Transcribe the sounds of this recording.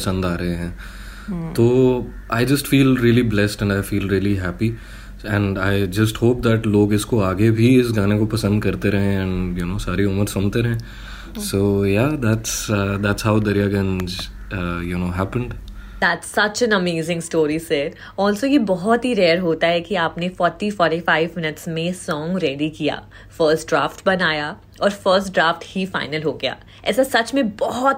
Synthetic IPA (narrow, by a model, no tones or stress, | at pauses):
pɐsə̃nd̪aːɾəɦẽɦɛ̃ː | t̪oː | aɪd͡ʒɐsʈfiːlɾiəliblɛsʈɛ̃ɳaɪfiːlɾiːəliɦæpi | ɛ̃ɳɖaɪd͡ʒɐsʈhoːp̚d̪æʈloːɡɪskoaːɡebʱiɪsɡãːnekopɐsə̃nd̪̚kɐɾt̪eɾɐɦẽɛ̃ɳjunoːsaːɾiʊməɾsʊ̃mt̪eɾɛɦẽ | soːjad̪æʈsəd̪æʈshaʊd̪ɐɾijaɡɐ̃nd͡ʒ | junoːɦæpə̃ɳɖ | d̪æʈsɐt͡ʃɛ̃nɐmeːzɪ̃ŋsʈoːɾisɛɖ | ɔːlsojebɔɦɔt̪ɦiɾɛːɾɦoːt̪aɦɛkiaːpnefɔːɾʈifɔːɾʈifaɪʋmɪnəʈsmẽsɔ̃ːŋɡɾɛɖikija̰ː | fəːɾsʈɖɾaːfʈbɐnaːja | ɔːɾfəːɾsʈɖɾaːfʈhifaɪnəlɦoːɡɐja̰ː | ɛ̰ːsasɐt͡ʃmẽbɔɦɔt̪